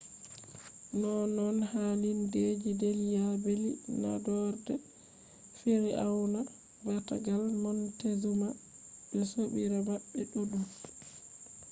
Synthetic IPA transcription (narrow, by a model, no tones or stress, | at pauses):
nɔnɔnhaːlinded͡ʒideljabelina̰dɔɾdɛ | fiɾiʔawna | bata̰ɡalnɔntezumabɛsoɓiɾamaɓːɛɗoɗu